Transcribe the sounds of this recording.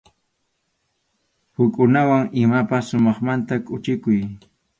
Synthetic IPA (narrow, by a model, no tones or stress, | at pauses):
hʊkʼʊnawaŋɪmapasʊmɑχmant̪akʼʊt͡ʃɪkʊj